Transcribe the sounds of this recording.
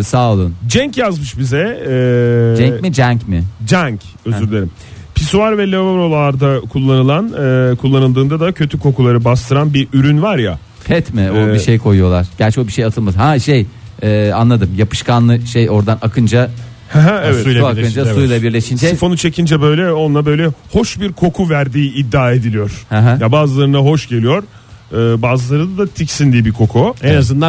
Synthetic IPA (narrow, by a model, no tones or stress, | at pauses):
saːlˠɯnd͡ʒɛɲcjazmɯʃbizɛ | d͡ʒɛɲmid͡ʒæɲcmɪd͡ʒɛɲc | øzyɾlʲeɾim | pʰisuaɾvɛlʲevoɾolˠaɾd̪akʰulˠːanɯlˠanɯkʰulˠːanɯlˠd̪ɯːnd̪ad̪acʰø̞t̪ʰykʰo̞kulˠaɾɯbast̪ʰɯɾanbiɾyɾynvaɾja̰ | pʰɛt̪mɪobiʃejkʰo̞jujo̞lˠaɾ̥ɟ̥æɾʲt͡ʃʰɛobiʃe̞jat̪ʰɯlˠmazhaʃejɛːanˠad̪ɯmjapʰɯ̥ʃkanlˠɯʃejo̞ɾd̪anʔakʰɯnd͡ʒa | hɛɦɛɛvɛuakɯnd͡ʒasujlˠabiɾlʲeʃinɛifo̞nut͡ʃʰe̞cʰind͡ʒɛbø̞jlʲɛo̞nlˠabø̞jlʲɛho̞ʃbiɾkʰo̞kʰuvæɾd̪iːid̪ːaːe̞d̪ilʲijoɾ̥hɛɦɛ̃jabaːzɯlˠaɾɯnaɦo̞ʃɟe̞lʲijo̞ɾː | baːzɯlˠaɾɯd̪ad̪at̪ʰicsind̪ibikʰo̞kʰuenazɯna